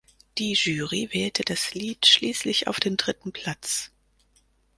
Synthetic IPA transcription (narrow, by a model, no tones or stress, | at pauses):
d̥iːʒyːʁivɛːltʰəd̥asliːtʃliːslɪça̰ʊfd̥eːmdʁɪtn̩pʰl̥at͡s